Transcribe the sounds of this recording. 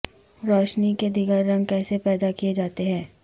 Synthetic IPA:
ɾɔːʃniked̪iɡəɾːɐ̃ŋɡ̚kɛːsepɛːd̪akijed͡ʒaːt̪eɦɛ̃ː

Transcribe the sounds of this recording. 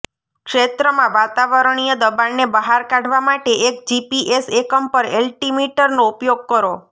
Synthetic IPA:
kʃet̪ɾəmãʋat̪aʋəɾəɳ̃ijəd̪əbanːebəɦaɾkaɖʱʋamaʈeʔek̚d͡ʒipiʔesekəmpəɾelʈimiʈəɾnoupjoɡ̚kəɾo

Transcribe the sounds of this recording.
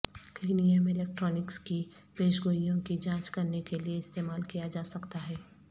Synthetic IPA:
kliːnijəmɪleːk̚ʈɾɔːnɪkski | peːʃɡoːijõkid͡ʒãːt͡ʃkɐɾnekelieɪst̪eːmaːlkijad͡ʒaːsɐkt̪aɦɛː

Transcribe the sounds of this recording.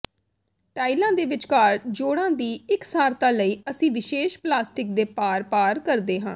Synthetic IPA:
ʈaːilãːd̪eːʋɪt͡ʃkaːɾd͡ʒoːɽãːd̪iːɪksaːɾt̪ãːləiːəsĩːʋɪʃeːʃplaːsʈɪk̚d̪eːpaːɾpaːɾkəɾd̪eːɦãː

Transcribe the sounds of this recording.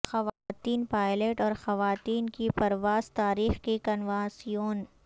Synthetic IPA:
xɐʋaːt̪iːnpaːɪleːʈɔːɾxɐʋaːt̪iːnkipɐɾʋaːz̥t̪aːɾiːxkekɐnʋãːsijoːn

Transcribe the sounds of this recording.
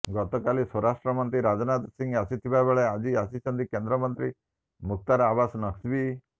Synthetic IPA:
ɡɔt̪ɔkalisɔɾaʂʈɾəmənt̪ɾiɾad͡znat̪siŋɡasit̪ʰiʋabeɭead͡ʑiasit͡ʃənd̪ikend̪ɾəmənt̪ɾi | muk̚t̪aɾaʋasnəksʋi

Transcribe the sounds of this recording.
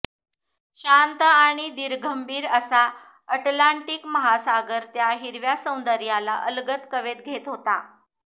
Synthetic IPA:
ɕant̪aɽ̃id̪iɾɡʱəmbʱiːɾəsa | əʈlaɳʈikməɦasaɡəɾt̪jaɦiɾʋjasə̃w̃nd̪əɾjala̰ʔəlɡət̪kəʋet̪̚ɡʱet̪ɦot̪a

